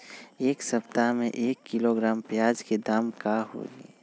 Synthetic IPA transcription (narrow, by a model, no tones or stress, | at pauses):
eːksəpt̪amḛ̃ʔeːkːɪloɡɾaːmpjaːd͡ʒked̪aːmkaɦo̰ːɡḭː